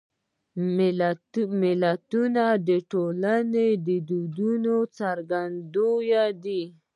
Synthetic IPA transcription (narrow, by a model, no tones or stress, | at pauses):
mɪlat̪unad̪əʈolaned̪əd̪ud̪unot͡saɾɡand̪ojad̪i